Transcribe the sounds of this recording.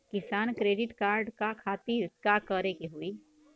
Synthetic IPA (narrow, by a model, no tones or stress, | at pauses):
kɪsaːnkɾeːɖɪʈkaːɾɖkakʰaːt̪iɾkakəɾekiɦui